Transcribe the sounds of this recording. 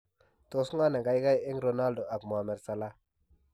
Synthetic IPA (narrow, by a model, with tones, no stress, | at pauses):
to˨sŋa˦na˨ɡa˨jɡa˦je˦ŋɾo˨na˦ldo˨ʔa˨bm˨a˨mɛ˨ɾsa˨la˦